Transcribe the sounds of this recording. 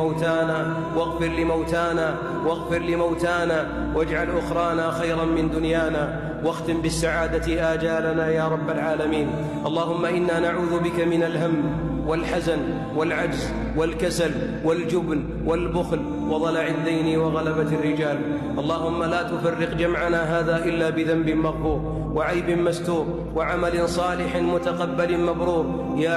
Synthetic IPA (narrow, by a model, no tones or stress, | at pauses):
awt̪aːnaː | waɣfɪɾlɪmawt̪aːnaː | waɣfɪɾlɪmawt̪aːnaː | wad͡ʒʕalʔʊxɾˤɑːnaːxajɾˤɑnmɪnd̪ʊnjaːnaː | waxt̪ɪmbɪsːaʕaːd̪at̪ʔaːd͡ʒaːlanaːjaːɾˤɑbːalʕaːlamiːn | ʔɑlˤːɑːhʊmːaʔɪnːaːnaʕuːðʊbɪkamɪnalɦamː | wɪlħazan | walʕad͡ʒz | wɪlkasal | wɪld͡ʒʊbn | wɪlbʊxl | wɑd̪ˤɑlaʕɪd̪ːajniwɑɣalabat̪arːɪd͡ʒaːl | ʔɑlˤːɑːhʊmːalaːt̪ʊfarːɪqd͡ʒamʕanaːɦaːðaːʔɪlːaːbɪðambɪmaɣfuːɾ | waʕajbɪmast̪uːɾ | waʕamalɪnsˤɑːlɪħɪnmʊt̪aqɑbːalɪmabɾuːɾ | ja